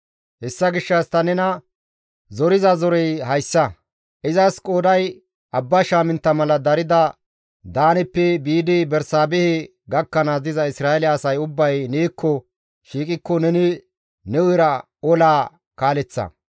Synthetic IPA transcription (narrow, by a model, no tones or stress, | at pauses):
hɛsːɐɡɪʃːɐst̪ɐnɛnɐ | zɔɾɪzɐzɔɾɛjhɐjsːɐ | ʔɪzɐskʼoːd̪ɐj | ʔɐbːɐʃaːmɪnt̪ːɐmɐlɐd̪ɐɾɪd̪ɐ | d̪aːnɛpːɛbiːd̪ɪbɛɾsaːbɛhɪ | ɡɐkːɐnazɪzɐɪsɾaːɛlɪɛːsɐjʊbːɐjneːkʰːɔ | ʃiːkʼɪkːɔnɛnɪ | nɛʊjɾɐ | ɔlaː | kaːlɛt͡sːɐ̰